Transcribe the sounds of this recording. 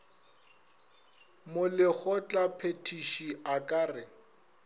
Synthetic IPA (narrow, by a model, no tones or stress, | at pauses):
mʊlɪk͡xʰɔt͡ɬʼapʰetʰiʃiakʼaːrɪ